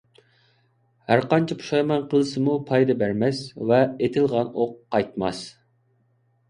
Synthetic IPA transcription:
hæɾqɑnt͡ʃʰipʰu̥ʃɑjmɑnqʰəlˠɨsɨmupʰɑjd̪ɨbæɾmɛsvɛet̪ʰɪlˠʁɑnoqːɑjt̪mɑ̰s

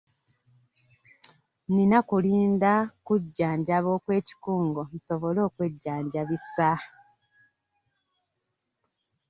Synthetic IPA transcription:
ninakuliːndakuɟːaːɲɟaβo̞ːkwe̞ːci̥kuːŋɡo̞n̩so̞βo̞lo̞ːkwe̞ɟːaːɲɟaβisa

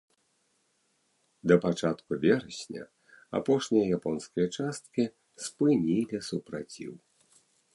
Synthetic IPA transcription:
d̪ɐpat͡ʂat̪kuvʲɛɾɐsʲnʲɐ̰ | a̰pɔʂnʲijɐjapɔnskɐjɐt͡ʂast̪̚kʲi | spɨnʲilʲisupɾat͡sʲḭw

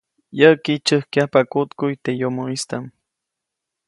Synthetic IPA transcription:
jəkit͡ʃəhkjapakʊt̪kʊjt̪ejomoist̪am

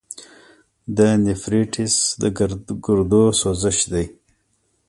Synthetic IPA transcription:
d̪ənifɾiʈʰisd̪əɡɾɡʊɾd̪osozəʃd̪aj

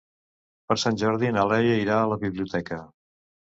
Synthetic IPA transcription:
pəɾsanʲʒɔɾðinalɛjəiɾaələβiβliut̪ʰɛkə

